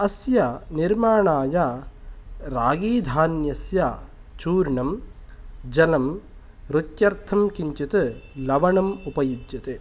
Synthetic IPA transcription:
ɐsjɐniɾmaːɳaːja | ɾaːɡiːd̪ʱaːnjɐsja | t͡ʃuːɾɳɐm | d͡ʒɐnɐm | ɾut̪jɐɾt̪ʰɐmkiɲt͡ʃit̪ɨlɐʋɐɳɐmupɐjud͡ʒjɐt̪e

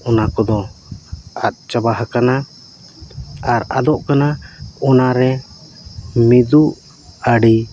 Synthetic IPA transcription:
ɔnakɔd̪ɔ | at̪̚ˀt͡ʃabaɦakana | aɾa̰d̪ɔʔkanaɔnaɾɛ | mid̪uʔ | aɽi

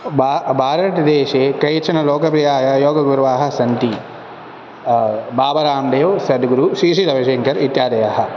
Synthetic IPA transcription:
babʱaːɾɐʈd̪eːʃeːkɐjt͡ʃʰɐnɐloːkɐp̬ɾijaːjɐjoːɡɐɡuɾʋaːɦɐ̆sɐnt̪i | baːbɐɾaːmɖejoʋsɐd̪ɡuɾuʃiːʂid̪ɐʋɐʃeːŋkɐɾit̪jaːd̪ɐjaɦɐ̆

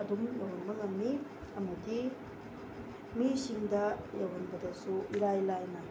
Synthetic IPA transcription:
ɐdumjɐwɐnmɐŋɐŋni | ɐmɐdi | misiŋdɐjɐwɐnbɐdɐsuiɾajlajnɐ

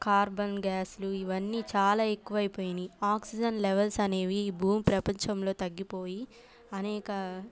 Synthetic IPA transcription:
kaːɾbɐnɡaːsluiʋɐnːiːt͡ʃaːlaːe̞kːuʋɐjipo̞ːjiniaːksid͡ʒɐnleʋɐlsɐne̞ːʋiːbʱuːmpɾɐpɐɲt͡ʃɐmlo̞ːt̪ɐɡːipo̞ːji | ɐnɛːkɐ

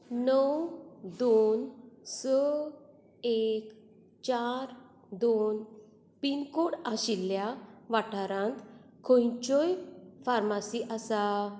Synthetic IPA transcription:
nəwd̪onsɔ | ek | t͡ɕaɾ | d̪on | pinkoɽaɕilːjaʋaʈʰaɾãnt̪kʰõjt͡ɕɔjfaɾmasiʔasa

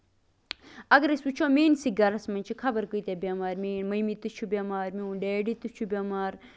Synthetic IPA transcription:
ɐɡɾesut͡ʃʰoːmeːnsiɡɐɾɐsmɐnʲt͡ʃʰikʰɐbɐɾkəjt̪ʲabʲamaːɾmiːnmɐjmit̪ɨt͡ʃʰubʲamaːɾmiunɖeːɖit̪ɨt͡ʃʰubʲamaːɾ

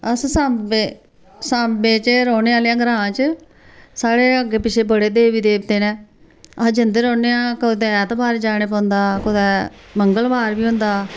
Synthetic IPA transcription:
əssaːme | saːmbeːt͡ʃɾɔːneːaːljãːɡəɾãːt͡ʃə | saːɽeːəɡeːpɪt͡ʃʰeːbəɽeːd̪eːʋiːd̪eːbt̪eːnɛ̃ː | əd͡ʒənd̪eːɾɔ̃ːneːãːkəd̪ɛːt̪obaːɾd͡ʒaːneːp̬ɔ̃ːnd̪aːkʊd̪ɛːməŋɡəlbaːɾbiːɦʊ̃nd̪aː

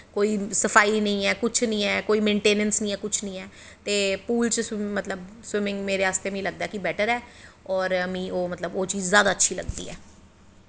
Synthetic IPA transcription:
koːiːsəpʰaːiːnə̃ĩːɛːkʊt͡ʃʰnĩːɛːkoːiːmẽːɳʈeːnənsnə̃ĩːɛːkʊt͡ʃʰnəĩːɛː | t̪eːpuːlt͡ʃsmət̪ləbswɪmɪ̃ŋɡmeːɾeːaːst̪eːmĩːləɡ̚d̪aɛːkibɛːʈəɾɛːɔːɾmĩːʔoːmət̪ləboːt͡ʃiːd͡ʒzjaːd̪aːətːʃʰiːlə̰ɡd̪ḭːɛː

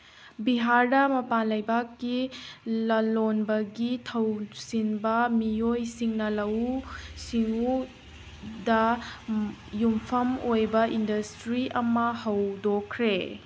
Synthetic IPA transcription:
biɦaɾdɐmɐpanlɐjbakːilɐlonbɐɡitʰɐwsinbɐmijojsiŋnɐlɐwsiŋu | dɐ | jumpʰɐmojbɐʔindɐstɾiʔɐmɐhɐwdokʰːɾe

